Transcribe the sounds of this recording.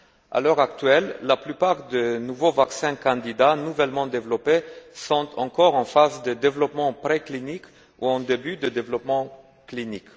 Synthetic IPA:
a̰lœʁakt̪ɥɛlːaplypaʁd̪ənuvovaksɛ̃kɑ̃d̪id̪anuvɛlmɑ̃d̪evlɔpesɔ̃t̪ʰɑ̃kɔʁɑ̃fazd̪əd̪evlɔpmɑ̃pχeklinik | uɑ̃d̪ebyd̪əd̪evlɔpmɑ̃ | klinik

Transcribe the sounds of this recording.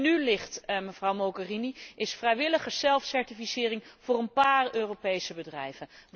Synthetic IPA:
nylɪχtməv̥rʌwmoɡəriniɪsfrɛjʋɪləχəz̥ɛlˠfsɛɹtifisɪːrɪŋv̥ʊːrənpaːrøːrowpejsəbədrɛjvənʋ

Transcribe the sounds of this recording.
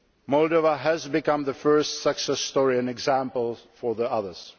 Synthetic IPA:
mɔldovaɦæzbɪkʌ̃mðəfɜ˞stsəksɛsːtɔɹiɛ̃nɛɡzæ̃mpəl̩ˠfɔɹðiʌðə˞s

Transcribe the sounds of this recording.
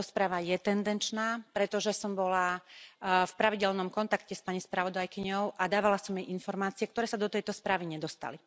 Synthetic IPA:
ɔspɾaːʋajɛt̪ɛnd̪ɛnt͡ʃnaːpɾɛt̪ɔʒɛsɔmbɔla | fpɾaʋiɟɛlnɔmkɔnt̪akcɛspaɲispɾaʋɔd̪ajkiɲɔʊʔad̪aːʋalasɔmjɛjʔinfɔɾmaːt͡siɛkt̪ɔɾɛːsad̪ɔt̪ɛjt̪ɔspɾaːʋiɲɛd̪ɔst̪a̰li

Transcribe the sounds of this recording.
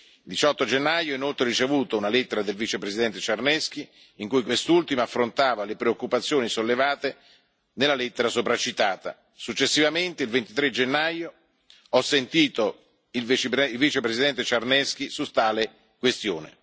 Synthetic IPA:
ild̪it͡ʃɔt̪ːod͡ʒenːajoinolt̪ɾeɾit͡ʃevuːt̪ounalet̪ːeɾad̪elvit͡ʃepɾesid̪ɛnt̪et͡ʃarnɛsk̟iː | ŋkujkwest̪ult̪imaafːɾont̪aːvalepɾeokːupat̪sːjoːnisolːevaːt̪e | nelːalet̪ːeɾasopɾat͡ʃːit̪aːt̪a̰ | sut͡ʃːesːivament̪eilvent̪it̪ɾed͡ʒenːajo | ɔsːent̪iːt̪o | ivt͡ʃilvit͡ʃepɾesid̪ɛnt̪et͡ʃarnɛsk̟isut̪ːaːle | kwest̪joːnɪ̰

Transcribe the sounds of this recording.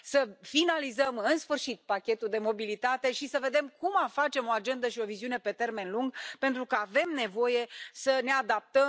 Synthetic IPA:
səfinalizəmɨnsfɨrʃit̪̚pakʲe̞t̪uld̪e̞mo̞bilit̪at̪e̞ʃisəve̞d̪e̞mkumafat͡ʃe̞mo̞ad͡ʒe̞nd̪əʃio̞viziune̞pe̞t̪e̞rme̞nluŋɡpe̞nt̪ɾukəave̞mne̞vo̞je̞səne̞ad̪ap̚t̪ə

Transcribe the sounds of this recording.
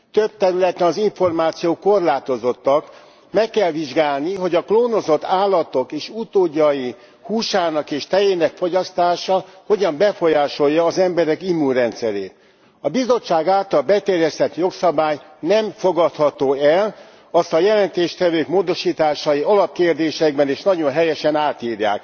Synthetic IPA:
t̪øb̚t̪ɛɾylɛt̪ːɛnɒziɱfo̞rmaːt̪sijoːko̞rlaːt̪o̞zo̞t̪ːɒk | mɛkːɛlʋiʒɡaːlniɦo̞ɟɒkloːno̞zo̞t̪ːaːlːɒt̪o̞keːʃut̪oːɟːɒji | huːʃaːnɒkeːʃt̪ɛjeːnɛkfo̞ɟɒst̪aːʃɒho̞ɟɒmbɛfo̞jaːʃo̞jːɒːzɛmbɛɾɛkimːunrɛnt̪sɛɾḛːt̪ | ɒbizo̞t͡ʃːaːɡaːlt̪ɒlbɛt̪ɛrjɛst̪ɛt̪jo̞ksɒbaːjnɛmfo̞ɡɒt̪hɒt̪oːɛl | ɒst̪ɒjɛlɛnt̪eːʃt̪ɛvøːkmoːd̪o̞ʃiːt̪aːʃɒjiɒlɒp̚keːrd̪eːʃɛɡ̚bɛneːʃnɒɟo̞nɦɛjɛʃɛnaːt̪iːɾja̰ːk

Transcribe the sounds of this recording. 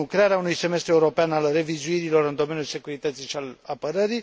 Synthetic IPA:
kɾeaɾeaunujse̞me̞st̪ɾue̞uɾo̞peanalre̞vizuiɾilo̞ɾɨnd̪o̞me̞njulse̞kuɾit̪ət̪siʃialapəɾəɾi

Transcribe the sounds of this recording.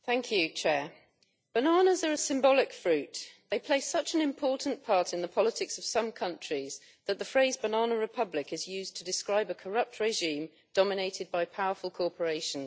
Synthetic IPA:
θæ̃ŋkʰjʉt͡ʃʰɛːɹ | b̥ənɑːnəzəɹəsɪ̃mbɒlɪkfɹʉˑʔðeɪpʰl̥eɪsʌt͡ʃə̃nɪ̃mpʰɔˑʔn̩pʰɑɹtɪ̃nðəpʰɒlətʰɪksəv̥sʌ̃mkʰʌ̃nt͡ʃɹ̥iz̥ | ðəʔ̪ðəfɹeɪzbənɑːnəɹɪpʰʌblɪkɪzjʉːztʰədɪskɹaɪbəkʰəɹʌp̚tʰɹɛʒĩm | d̥ɒmɪneɪtʰɪd̚baɪpʰaʊəfəlˠkʰɔˑpʰəɹeɪʃə̃n

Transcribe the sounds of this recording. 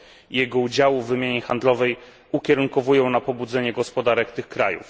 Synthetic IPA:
ijɛɡɔud͡ʑawuvːɘmʲjaɲɛxand̪lɔvɛj | ukʲɛɾuŋkɔvujɔ̃w̃napɔbud̪zɛɲɛɡɔspɔd̪aɾɛkt̪ɘxkɾa̰jṵf

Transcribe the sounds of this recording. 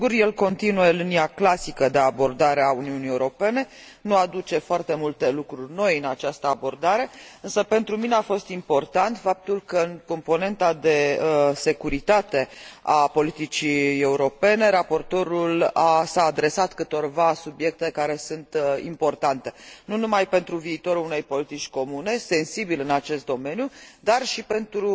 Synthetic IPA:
ɡurje̞lko̞nt̪inue̞liniaklasikəd̪e̞abo̞rd̪aɾeauniunijeuɾo̞pe̞ne̞ | nuad̪ut͡ʃe̞foart̪e̞mult̪e̞lukɾurʲno̞jɨnat͡ʃast̪əabo̞rd̪aɾe̞ɨnsəpe̞nt̪ɾumineafo̞st̪impo̞rt̪ant̪fap̚t̪ulkəɨŋko̞mpo̞ne̞nt̪ad̪e̞se̞kuɾit̪at̪e̞apo̞lit̪it͡ʃie̞uɾo̞pe̞ne̞ɾapo̞rt̪o̞ɾulasaːd̪ɾe̞sat̪kɨt̪o̞rvasubje̞k̚t̪e̞kaɾe̞sunt̪ḭmpo̞rt̪ant̪e̞nunumajpe̞nt̪ɾuviːt̪o̞ɾuune̞jpo̞lit̪it͡ʃʲko̞mune̞se̞nsibilɨnat͡ʃe̞st̪d̪ome̞njud̪arʃipe̞nt̪ɾu

